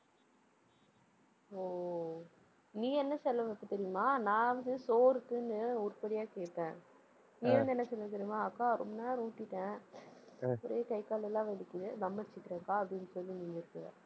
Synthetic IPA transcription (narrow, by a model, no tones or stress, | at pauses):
oː | nĩːɛnːɐsɛlːɐʋɐpːɯt̪ɛɾɪjɯmaːnãːɐʋɐnðɯsoːɾɯkːɯnɯʊɾʊpɐɽɪjaːkeːʈːẽː | niːʋɐnd̪ɯɛnːɐsɛlːɐt̪ɛɾɪjmaːɐkːãːɾɔ̰mbɐnaːɾuːʈːɪʈːẽː | pɔɾɐjekɐɪkaːlɛlːãːʋɛlɪkːɪðɯd̪ɐmːɐɾɪt͡ʃːɪkːɪɾeːŋkaːɐpɐɽɪnɯsɔlːinɪŋɡɪɾɯkːɯɐ̰